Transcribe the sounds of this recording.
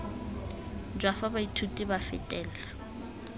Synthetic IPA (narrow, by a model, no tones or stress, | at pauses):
d͡ʒwafabaitʰutʼibafɪ̰tʼɛːl̩la